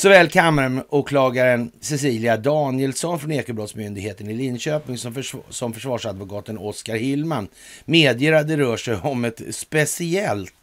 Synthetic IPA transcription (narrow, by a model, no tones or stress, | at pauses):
sɔvɛːlkʰamaɾmuːkʰlɑːɡaɾənsɛs̬iːlɪad̪ɑːnɪjɛlsɔnfɾɔneːkəbɾɔt̪smʏnd̪ɪɡheːt̪ənɪlɪnːɕøːpɪŋsɔsɔmfœʂvɑːʂad̪vʊkɑːt̪ənɔskaɾhɪlman | meːd̪jeːɾad̪əɾœːʂɛjɔmɛt̪spɛsɪɛlt̪